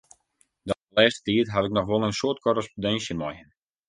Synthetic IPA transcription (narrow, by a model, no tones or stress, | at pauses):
dɔnəlɛːstə̥tiətɦatɪk̚nɔxʋɔlˠənsoət̚kʰorəspodɛnsjəmɔjən